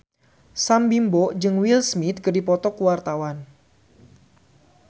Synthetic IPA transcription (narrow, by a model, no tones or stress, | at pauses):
sambimboʔd͡ʒɨŋwilsmit̪̚kərdipɔt̪ɔkuwart̪awan